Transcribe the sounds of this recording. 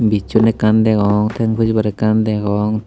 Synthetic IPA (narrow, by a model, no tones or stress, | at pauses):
bit͡ʃːunɛkand̪ɛkɔŋt̪ʰɛŋpʰud͡ʒbaɾɛkand̪ɛɡɔŋ